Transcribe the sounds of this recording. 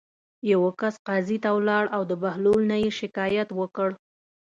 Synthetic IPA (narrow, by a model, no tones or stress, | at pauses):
jawəkasqɑzit̪awlɑɽʔawd̪əbahlolnajeʃɪkɑjat̪wəkəɽ